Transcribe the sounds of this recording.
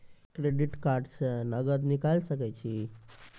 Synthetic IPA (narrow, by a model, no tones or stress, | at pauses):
kɾeɖiʈkaɾɖsə̃nəɡəd̪nikalsəkɛt͡ʃʰi